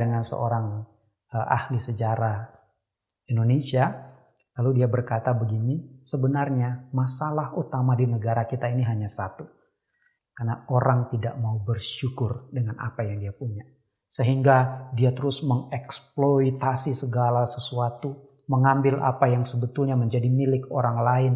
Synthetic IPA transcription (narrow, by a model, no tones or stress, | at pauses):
əŋansə̰ʔo̰ɾaŋ | əʔa̰hlisəd͡ʒaɾa | indonesia | laludiabərkat̪abəɡinisəbənarɲamasalahut̪amadinəɡaɾakit̪ainiɦaɲasat̪u | karnaoɾaŋt̪ida̰ʔmaubərʃukʊrdəŋanʔa̰pajaŋdiapuɲa | səɦiŋɡadiat̪əɾʊsməŋɛksploit̪asisəɡalasəsuat̪u | məŋambɪlʔa̰pajaŋsəbət̪ʊlɲaməɲd͡ʒadimilɪkoɾaŋlaɪn